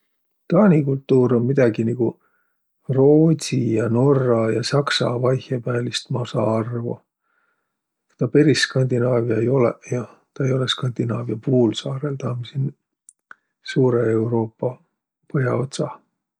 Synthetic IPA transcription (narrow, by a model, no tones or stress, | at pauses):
t̪ɑːnikult̪ːˑuːɾo̞nmid̪̥ɑɡiniɡ̥u | ro̞ːt̪ijɑno̞rːɑjɑsɑksɑ̰vɑjhjɑpæːlist̪mɑsɑɑrvo̰ | t̪ɑpe̞ɾiskɑnd̪inɑːvjɑejo̞lḛjɑ | t̪ɑe̞jo̞le̞skɑnd̪̥inɑːvjɑpuːlsɑːɾe̞lt̪ɑːmisen | suːɾeewɾo̞ːpːɑ | pɤɦjɑ̰o̞t̪sɑ